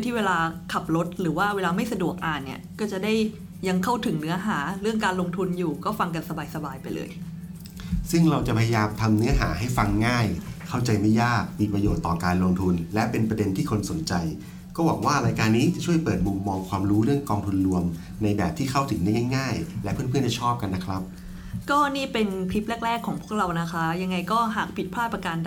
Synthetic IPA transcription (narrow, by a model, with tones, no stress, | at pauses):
t̪ʰiː˥˩weː˧laː˧kʰa˨˩p̚lo˦˥t̪̚ɾɯː˩˦waː˥˩weː˧laː˧ma˥˩jsa˧du˨˩ək̚ʔaː˨˩nːḭ˥˩kɔː˥˩t͡ɕa˨˩da˥˩j | ja˧ŋkʰa˥˩wt̪ʰɯ˩˦ŋnɯ˦˥ɐɦaː˩˦ɾɯ˥˩əŋkaː˧nlo˧ŋt̪ʰu˧njuː˨˩kɔː˥˩fa˧ŋk̬a˧nsa˧baː˧jsa˧baː˧jpa˧jlɤ̰ː˧j | sɯ˥˩ŋɾa˧wt͡ɕa˨˩pʰa˧ja˧jaː˧mt̪ʰa˧mnɯ˦˥ɐɦa̰ː˩˦ɦa˥˩jfa˧ŋːaː˥˩jkʰa˥˩wt͡ɕa˧jma˥˩jaː˥˩k̚pi˨˩pɾa˧joː˨˩t̪ːɔː˨˩kaː˧nlo˧ŋt̪ʰu˧nlɛ˦˥pe˧npɾa˧de˧nt̪ʰiː˥˩kʰo˧nso˩˦nt͡ɕa˧j | kɔː˥˩waː˨˩˦kwaː˥˩ɾaː˧jkaː˧nːiː˦˥t͡ɕa˨˩t͡ɕʰu˥˩əjpɤː˨˩t̪̚mu˧mːɔː˧ŋkʰwaː˧mɾuː˦˥ɾɯ˥˩əŋkɔː˧ŋt̪ʰu˧nɾu˧əm | na˧jbɛː˨˩p̚t̪ʰiː˥˩kʰa˥˩wt̪ʰɯ˩˦ŋda˥˩jŋa˥˩jŋaː˥˩jlɛ˦˥pʰɯ˥ənpʰə˨nt͡ɕa˨˩t͡ɕʰɔː˥˩p̚ka˧nːa˦˥kʰɾa˦˥p̚ | kɔː˥˩niː˥˩pe˧npʰi˦˥p̚lɛː˥˩k̚lɛː˥˩kʰːɔː˨˩˦ŋpʰu˥˩əɾa˧wna˦˥kʰa˦˥ja˧ŋːa˧jkɔː˥˩ɦaː˨˩k̚pʰi˨˩t̪̚pʰaː˥˩t̪pːa˧kaː˧n